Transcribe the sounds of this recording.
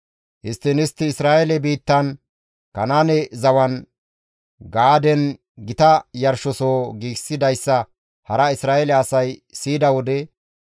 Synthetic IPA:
ʔɪst̪ːɪnɪst̪ːɪːsɾaːʔɛlɛbiːt̪ːɐn | kɐnaːnɛzɐwɐn | ɡaːd̪ɛn | ɡɪt̪ɐjɐɾʃɔsoːɡiːɡsɪd̪ɐjsːɐ | hɐɾɐɪsɾaːɛlɛɐsɐjsiːd̪ɐwɔd̪ɛ

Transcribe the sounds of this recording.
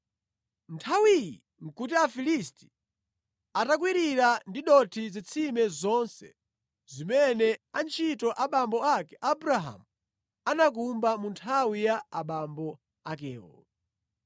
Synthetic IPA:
ntʰawijḭ | ŋ̩kutiafilisti̥ | atak̬wiɾiɾandiɗɔtʰizit͡sʰimɛzɔnsɛ̰ | zimɛnɛant͡ʃʰitɔʔaɓambɔakɛʔabuɾaɦa̰mu | anak̬umbamuntʰawijaːɓambɔ | akɛːɔ̰

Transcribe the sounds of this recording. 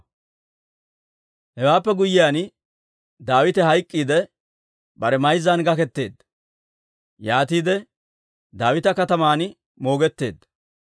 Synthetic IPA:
hɛwaːpːɛɡʊjːɪjaːn | d̪aːwɪt̪ɛɦɐjkʼːiːd̪ɛ | bɐɾɛmɐjzːanɡɐkɛt̪ːe̞ːd̪ːɐ | jaːt̪iːd̪ɛ | d̪aːwɪt̪ɐkɐt̪ɐmaːn | mo̞ːɡɛt̪ːe̞̰ːd̪ːɐ

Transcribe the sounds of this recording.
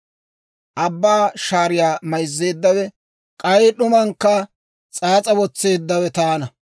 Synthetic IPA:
ʔɐbːaːʃaːɾɪjaːmɐjzːe̞ːd̪ːɐwɛ | kʼɐjɗʊmɐŋkːɐ | t͡sʼaːt͡sʼɐwɔt͡sːe̞ːd̪ːɐwɛt̪aːnɐ

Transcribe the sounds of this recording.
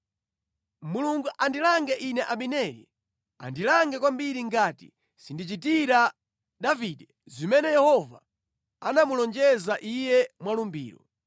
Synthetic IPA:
muluŋɡuʔandilaŋɡɛʔinɛʔaɓinɛlḭ | a̰ndilaŋɡɛkwambiɾiŋɡaːtḭ | sindit͡ʃitiɾa | ɗaviɗɛ | zimɛnɛjɛhɔva | anamulɔnd͡ʒɛzaʔijɛmwalumbḭːɾɔ

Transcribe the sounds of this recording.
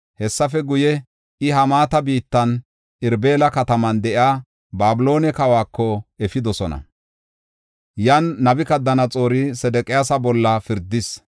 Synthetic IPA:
hɛsːɐfɛɡʊjɛ | ɪɦɐmaːt̪ɐbiːt̪ːɐn | ɪɾbe̞ːlɐkɐt̪ɐmɐnd̪ɛʔɪaː | baːbɪlo̞ːnɛkɐwaːkːɔɛfɪd̪ɔsɔnɐ̰ | jɐnːɐbɪkɐd̪ːɐnɐt͡sʼo̞ːɾɪsɛd̪ɛkʼɪjasɐbɔlːɐfɪɾd̪ɪs

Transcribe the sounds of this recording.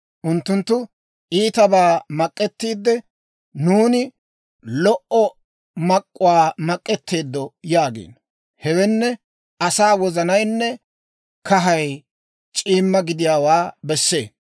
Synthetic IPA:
ʔʊnt̪ːʊnt̪ːʊ | ʔiːt̪ɐbaːmɐkʼːɛt̪ːiːd̪ːɛ | nuːnɪ | lɔʔɔ | mɐkʼːʊwaːmɐkʼːɛt̪ːe̞ːd̪ːɔjaːɡḛːn | hɛwɛnːɛ | ʔɐsaːwɔzɐnɐjnːɛ | kɐɦɐj | t͡ʃʼiːmːɐɡɪd̪ɪjaːwaːbɛsːe̞ː

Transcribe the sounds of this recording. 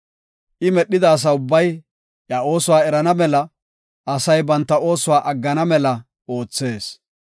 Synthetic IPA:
ʔɪmɛɗːɪd̪aːs̬ɐʊbːɐj | jjɐo̞ːsʊwaːɛɾɐnɐmɛlɐ | ɐsɐjbɐnt̪ːɐo̞ːsʊwaːʔɐɡːɐnɐmɛlɐ | ʔo̞ːt͡sːe̞ːs

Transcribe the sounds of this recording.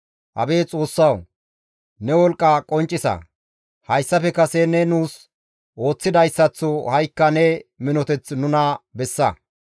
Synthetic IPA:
hʔɐ̰beːt͡sʼo̞ːsːɐw | nɛwɔlkʼːɐkʼɔnt͡ʃʼːɪsɐ̰ | hɐjsːɐpɛkɐsɛnɛnuːs | ʔo̞ːt͡sːɪd̪ɐjsːɐt͡sːɔhɐjkːɐnɛmɪnɔt̪ɛt͡snʊnɐbɛsːɐ

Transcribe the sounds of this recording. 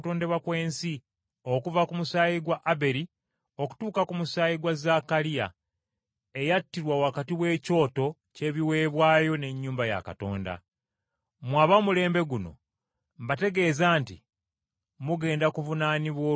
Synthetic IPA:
toːnde̞βakwe̞ːnsi | o̞kuvakumusaːjiɡwaʔabe̞ɾi | o̞ku̥tuːkakumusaːjiɡwazakaɾija̰ | e̞jatːiɾwawakatiwe̞ːco̞ːto̞ | ce̞ːβiwe̞ːβwaːjo̞ne̞ɲːuːmbaja̰ka̰to̞̰ːnda̰ | mwaːβamule̞ːmbe̞ɡuno̞̰ | mbate̞ɡe̞ːzaːnti | muɡe̞ːndakuvunaːniβwo

